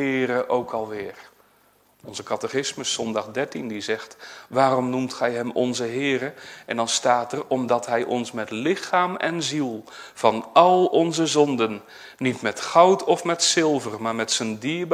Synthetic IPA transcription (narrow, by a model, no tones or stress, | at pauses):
ɪːɾəʔowkʰɑlˠʋɪːr | ɔnzəkɑtəχɪsməsɔndɑχdɛɹtindizɛχtʋaːrɔmnumtχɛjɦɛmɔnzəɦɪːrəʔɛndɑnstaːtɛrɔmdɑtɦɛjʔɔnsmɛtlɪχaːmɛ̰nzilˠ | v̥ɑnɑlˠɔnzəzɔndənː | itmɛtχʌwtʰɔfmɛtsɪlˠvərmaːɹmɛtsəndiːɹb